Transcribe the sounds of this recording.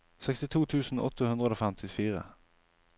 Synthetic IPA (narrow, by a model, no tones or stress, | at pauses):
sɛkst̪ɪt̪ʰuːt̪ʰʉːsn̩ɔt̪əhʉnd̪ʁəoːfɛmt̪ʰɪfiːʁə̰